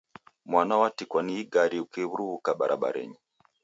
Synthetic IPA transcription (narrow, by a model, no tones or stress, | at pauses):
mwanawatikwaniiɡaɾiukɛβuɾuβukaɓaɾa̰ɓa̰ɾɛ̰ɲi